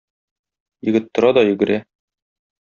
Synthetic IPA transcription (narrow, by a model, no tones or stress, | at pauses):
jɘ̆ɡɘ̆t̪ːŏɾɑd̪ɒjɵ̆ɡɘ̆ɾæ